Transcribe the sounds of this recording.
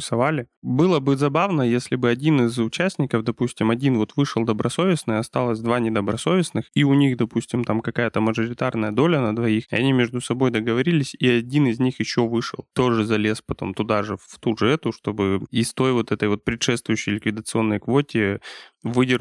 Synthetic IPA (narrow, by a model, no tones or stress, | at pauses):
ɪsɐvalʲɪbɨlˠəbɨzɐbavnəjesʲlʲɪbɨɐdʲinɨzʊt͡ɕæsʲtʲnʲɪkəvd̪ɐpusʲtʲɪmɐdʲinvo̞t̪vɨʂɨlˠd̪əbɾʔɐso̞vʲɪsnɨjɐst̪alˠəsʲd̪vanʲɪd̪əbɾɐso̞vʲɪsnɨxiʊnʲixd̪ɐpusʲtʲɪmt̪amkɐkajət̪əməʐɨɾʲɪt̪arnəjəd̪o̞lʲənəd̪vɐixɐ̰nʲimʲɪʐd̪ʊsɐbojd̪əɡəvɐɾʲilʲɪsʲiɐdʲinɪzʲnʲixjɪɕːo̞vɨʂɨ̰lˠt̪o̞ʐɨzɐlʲe̞spɐt̪o̞̰mt̪ʊd̪aʐɨft̪uʐɨɛt̪ʊʂt̪o̞bɨɪst̪o̞jvo̞t̪ɛt̪əjvo̞t̪̚pɾʲɪt̪ʂɛst̪vʊjʏɕːɪjlʲɪkvʲɪd̪ət̪sɨo̞nːəjkvo̞tʲɪvɨdʲɪr